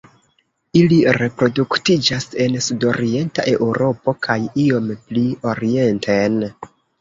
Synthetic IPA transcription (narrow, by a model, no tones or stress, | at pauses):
iliɾe̞pɾo̞duktid͡ʒase̞nsudo̞ɾie̞nta̰ʔe̞ʔuɾo̞po̞kʰajio̞mplio̞ɾie̞ntʰen